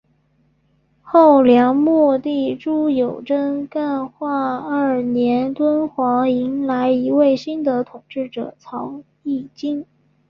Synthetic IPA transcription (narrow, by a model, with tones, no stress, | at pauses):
xo˥˩ʊljɑ˧˥ŋmwɔ˥˧t̪i˥˩ʈ͡ʂu˥jo˨˩ʊʈ͡ʂə˥nka˥˧nxwa˥˧ɐ˞˥˩njɛ˧˥nt̪wə˥nxwɑ˧˥ŋi˧˥ŋla˧˥ɪi˧˥we˥˩ɪɕi˥nd̪ə˨t̪ʰʊ˨˩ŋʈ͡ʂɻ̩˥˩ʈ͡ʂɤ̰˨˩t͡sʰɑ˧˥ʊ | i˥˩t͡ɕi˥ŋ